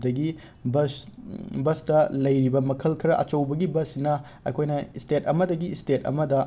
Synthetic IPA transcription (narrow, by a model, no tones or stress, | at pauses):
dɐɡi | bɐsbɐstɐlɐjɾibɐmɐkʰɐlkʰɐɾɐʔɐ̰t͡ʃɐwbɐɡibɐsinɐ | ɐ̰jkʰojnɐstetɐmɐdɐɡistetɐ̰mɐdɐ